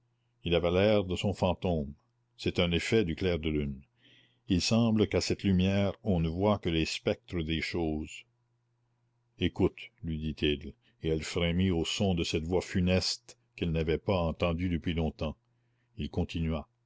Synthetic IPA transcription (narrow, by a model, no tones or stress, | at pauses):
ilavɛlɛʁd̪əsɔ̃fɑ̃ːt̪õːm | sɛt̪ɛ̃nefɛd̪yklɛːʁd̪əlyn | ilsɑ̃ːbləkasɛt̪lymjɛːʁɔ̃nəvwakəlespɛk̚t̪ɾəd̪eʃoːz | ekut̪lɥid̪it̪ʰil | eɛlfɾemiosɔ̃d̪əsɛt̪vwafynɛst̪ | kɛlnavɛpaɑ̃t̪ɑ̃d̪yd̪əpɥilɔ̃t̪ɑ̃ | ilkɔ̃t̪inɥa